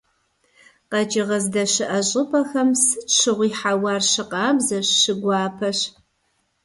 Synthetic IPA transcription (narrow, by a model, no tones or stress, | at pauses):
qɐt͡ʃʼɪʁɐzdɐɕɪʔɐɕʼɪpʰʼɐxɐmsɨʈ͡ʂʰɨʁʷiːħawɑrʃɪqɑːbzɐɕɕɨɡʷɑːpʰɐɕ